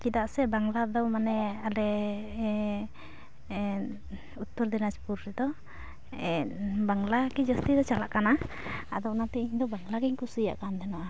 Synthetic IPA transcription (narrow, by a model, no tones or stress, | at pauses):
kid̪aʔsɛbaŋlad̪ɔwmanɛalɛ | ut̪ːɔɾd̪ɛnaspuɾɾɛd̪ɔ | ɛbaŋlakɛd͡ʒɔst̪id̪ɔt͡ʃalaʔkana | a̰d̪ɔʔnat̪ɛiɲd̪ɔbaŋlaɡɛɲkusija̰ʔkand̪ɛnɔʔa